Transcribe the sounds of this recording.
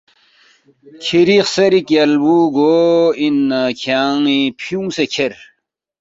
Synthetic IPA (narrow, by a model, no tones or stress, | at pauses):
kʰiɾixseɾikjalbuɡoinəkʰaŋipʰuŋsekʰeɾ